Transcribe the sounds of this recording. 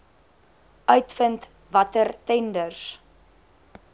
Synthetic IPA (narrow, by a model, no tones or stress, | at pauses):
œɥtfənt | vɐtərtɛndərs